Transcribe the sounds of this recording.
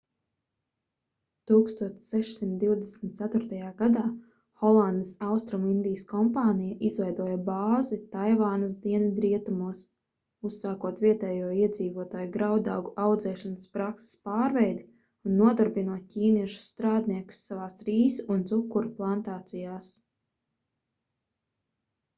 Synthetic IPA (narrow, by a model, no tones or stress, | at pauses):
t̪uːkst̪uɔt̪ssɛʃsimt̪̚d̪iwd̪esm̩t̪t̪sæt̪ʊɾt̪ajaːɡad̪aː | xɔlˠand̪isawst̪ɾumind̪ijəskɔmpaːnijaʔizvɛjd̪uɔjabaːzit̪ajvaːnas̬d̪iɛnad̪ɾiɛt̪umuɔs | ussaːkuɔt̪viɛt̪ɛːjuɔiɛd̪ziːvuɔt̪aːjuɡɾawd̪awɡuʔawd̪zɛːʃanəspɾakse̥spaːɾvɛjd̪i | unːuɔd̪aɾbinuɔt̪̚ʲcʲiːniɛʃu̥ssːt̪ɾaːd̪niɛku̥sːavaːsɾiːsunt̪zukːuɾplˠant̪aːt̪sijaːs